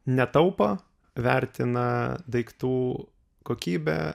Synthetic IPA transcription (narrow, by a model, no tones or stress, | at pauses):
nʲɛt̪ɐʊpo | ʋʲæˑɾʲt̪ʲɪnɐd̪ɐɪkt̪uː | koːkʲiːbʲɛ̰